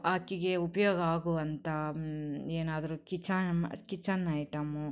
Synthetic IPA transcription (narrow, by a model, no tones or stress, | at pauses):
aːkːiɡe̞upɐjoːɡɐaːɡuʋɐnt̪ʰɐ | eːnaːd̪ɐɾukit͡ʃːam̰kit͡ʃːɐnːaːjʈɐmu